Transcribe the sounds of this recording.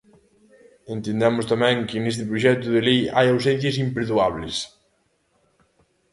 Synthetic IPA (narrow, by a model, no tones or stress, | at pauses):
ẽnt̪end̪ɛmʊst̪amɛ̃ŋkɪnest̪ɪpɾoʃɛt̪ʊðɪlejajawsɛn̟θjɐs̬impɾeðuaβlɪs